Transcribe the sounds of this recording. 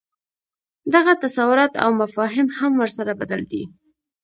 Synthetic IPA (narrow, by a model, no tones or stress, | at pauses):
d̪aɣat̪asawʊɾɑt̪a̰wmafɑɦɪmhamwəɾsaɾabad̪ald̪ḭ